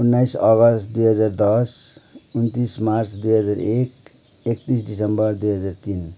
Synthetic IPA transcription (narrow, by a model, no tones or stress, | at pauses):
unːajsʌɡʌst̪d̪ujɦʌd͡zard̪ʌsunt̪ismart͡sd̪ujɦʌd͡zaɾek | ek̚t̪is̬ɖisʌmbʌrd̪ujɦʌd͡zart̪in